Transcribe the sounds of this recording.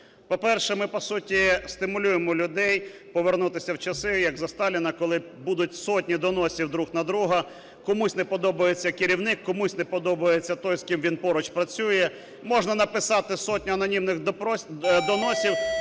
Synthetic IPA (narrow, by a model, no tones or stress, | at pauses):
pɔpɛrʃɛmɪpɔsutʲist̪ɪmʊlʲujemɔlʲʊd̪ɛjpɔʋernut̪ɪsʲɐwt͡ʃɐsɪjɐɡzɐst̪ɑlʲɪnɐkɔlˠɪ | bud̪ʊt̚ʲsɔt̚ʲnʲid̪ɔnɔsʲiwd̪ɾuxnɐd̪ɾuɦɐ | kɔmusʲnɛpɔd̪ɔbɐjet͡sʲːɐkɪɾʲiwnɪkːɔmusʲnɛpɔd̪ɔbɐjet͡sʲːɐt̪ɔjskɪmʋʲinpɔɾɔt͡ʃpɾɐt͡sʲujɛ | mɔʒnɐnɐpɪsɑt̪ɪsɔt̚ʲnʲɐɐnɔnʲimnɪx | d̪ɔnɔsʲiw